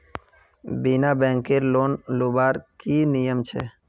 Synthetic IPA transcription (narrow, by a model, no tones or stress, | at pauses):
binabɛ̃ːŋkeɾloːnloːbaːɾkinijəmt͡ʃʰɛ̰ː